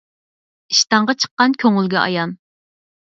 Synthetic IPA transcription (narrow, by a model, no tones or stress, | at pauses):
iʃt̪ɑɴʁɑt͡ʃʰə̥qːɑnkʲʰøŋylɡʲɛʔɑ̰jɑn